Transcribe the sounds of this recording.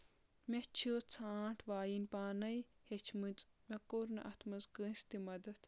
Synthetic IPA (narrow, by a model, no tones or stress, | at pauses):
mʲet͡ʃʰoːt͡sʰaːʈʰʋaːjinʲpaːnɐjhet͡ʃʰmɨt͡s | mekoɾnɐ̰ʔɐt̪ʰmɐzɡəst̪imɐd̪ɐt̪ʰ